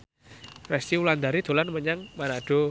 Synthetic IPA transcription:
rɛst̪iuland̪aɾid̪̥o̤lanməɲaŋmanaɖ̥o

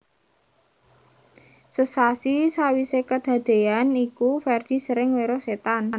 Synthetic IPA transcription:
səsasisawisekəd̪̥a̤d̪̥e̤anikufɛrd̪̥i̤səɾɪŋweɾɔset̪an

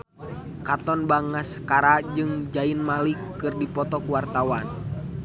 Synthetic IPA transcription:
kat̪ɔnbaŋaskaɾad͡ʒɨŋd͡ʒainmalikːɨrdipɔt̪ɔkuwart̪awan

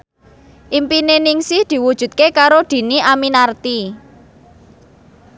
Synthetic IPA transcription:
ʔimpinenɪŋsɪhd̪̥i̤wud̥ʒ̥ṳt̪̚kekaɾod̪̥i̤niʔaminart̪i

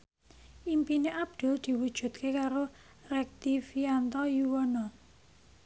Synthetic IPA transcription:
ʔimpineʔab̚d̪̥ʊ̤ld̪̥i̤wud̥ʒ̥ṳt̪̚kekaɾo | rɛk̚t̪ifiant̪ɔjuwɔnɔ

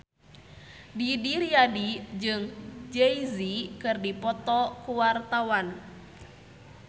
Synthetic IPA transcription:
didiɾiadid͡ʒɨŋd͡ʒɛizikɨrdipɔt̪ɔkuwart̪awan

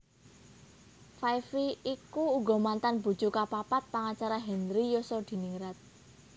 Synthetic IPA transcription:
fajfiikuːɡɔ̤mant̪anbṳ̥t͡ʃukapapat̪̚paŋat͡ʃaɾaɦɛnɾijosɔd̪̥i̤niŋɾat̪̚

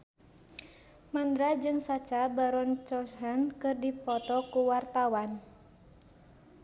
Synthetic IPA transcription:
mand̪ɾad͡ʒɨŋsat͡ʃabaɾɔnt͡ʃɔshɛnkɨrdipɔt̪ɔkuwart̪awan

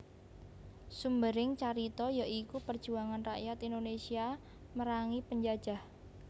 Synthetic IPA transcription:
sumbəɾɪŋt͡ʃaɾit̪ɔjaʔikupərd̥ʒ̥uaŋanraʔjat̪indonesia | məɾaŋipəɲd͡ʒad̥ʒ̥a̤h

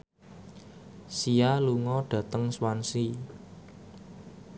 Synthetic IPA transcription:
sialuŋɔɖ̥ä̤t̪əŋswansi

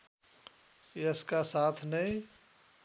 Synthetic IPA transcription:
əskasaːt̪ʰnəĩ

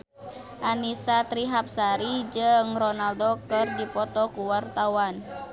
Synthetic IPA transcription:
ʔanisat̪ɾiɦap̚saɾid͡ʒɨŋrɔnaldokɨrdipɔt̪ɔkuwart̪awan

